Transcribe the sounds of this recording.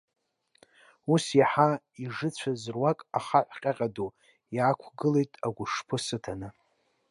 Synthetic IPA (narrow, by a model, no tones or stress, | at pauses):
usjaħa | iʐɨt͡ɕʷʰazrwakʼaχaħʷqʲʼaqʲʼadu | jakʷʰɡɨlejtʼaɡʷʊʂpʰɨsɨtʰanɨ